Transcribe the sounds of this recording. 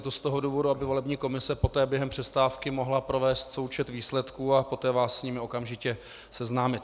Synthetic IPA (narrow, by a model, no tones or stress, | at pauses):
t̪ost̪o̞ɦo̞duːvo̞duabɪvo̞lɛbɲiːko̞mɪsɛpo̞t̪ɛːbjɛɦɛmpr̥ɛst̪aːfkɪmo̞ɦlapɾo̞vɛːst̪so̞wt͡ʃɛt̪viːslɛt̪kuːapo̞t̪ɛːvaːsːɲimɪo̞kamʒɪcɛ | sɛznaːmɪt̪